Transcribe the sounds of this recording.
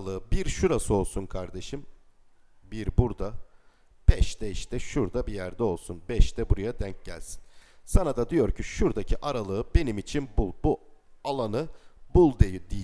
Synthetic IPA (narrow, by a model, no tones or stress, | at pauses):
lˠɯɯbiɾʃuɾasɯo̞lˠsunkʰaɾd̪e̞ʃɯm | biɾbuɾd̪a | b̥ɛʃd̪ɛiʃt̪ɛʃuɾd̪abijæɾd̪ɛo̞lˠsunbɛʃt̪ɛbuɾajad̪æɲc̚ɟæ̰lʲsi̥nsanad̪ad̪ijo̞ɾcʰiʃuɾd̪acʰiʔaɾalˠɯːbe̞nimit͡ʃʰinbulˠbu | alˠanɯbulˠd̪ejid̪i